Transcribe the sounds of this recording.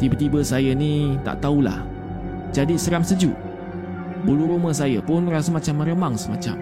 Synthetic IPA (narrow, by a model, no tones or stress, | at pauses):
t̪ibət̪ibəsajənĩt̪a̰ʔt̪aula̰h | d͡ʒadisəɾamsəd͡ʒṵʔ | buluɾuməs̬ajəpʊnrasəmãt͡ʃamːəɾəmaŋsəma̰t͡ʃa̰m